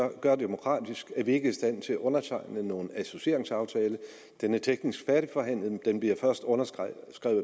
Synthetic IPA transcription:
ɒɡ̥ɶɐd̥emo̝kʰʁɑ̰̈ːd̥isɡ̥æɐʋie̝ɡ̥əisd̥æn̰t͡sʰe̝læʔɔ̽nɐt͡sʰɑ̈ɪ̰nəno̝ːn̩æso̝ɕe̝ɐ̰eŋsɑ̈ʊt͡sʰɛːlə | d̥enæɐt͡sʰeɡ̥nisɡ̥fæɐɾ̥ifɒ̽ɦæn̰lð̩ˠd̥enb̥liɐfɶɐsd̥ɔ̽nɐsɡ̥ʁɛ̰ʊ

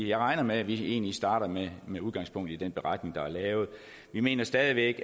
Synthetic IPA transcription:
jɑ̈ɪʁɑ̈ɪnɐmeæʋie̝̰ːnlisd̥ɑ̈ːɾ̥ɐmemeuðˠɡ̥ɑ̈ŋspʰɔ̽ŋ̰d̥ˠid̥en̰b̥e̝ʁɑ̈d̥ne̝ŋd̥ɑ̈æɐlɛːʊð̞̩ˠ | ʋime̝̰ːnɐsd̥ɛːð̞ˠiʋeɡ̥

